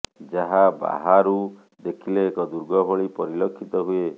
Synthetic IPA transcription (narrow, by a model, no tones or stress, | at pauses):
d͡ʒaɦaba̰ɦaɾu | d̪ekʰileːkɔd̪uɾɡɔbʱɔɭipɔɾilokʰːit̪ɔɦue